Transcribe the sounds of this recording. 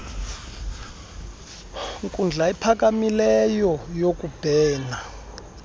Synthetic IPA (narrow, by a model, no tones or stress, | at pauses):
ŋkʼund͡ɮʱaipʰak̬amilɛjɔjokub̥ʱɛːna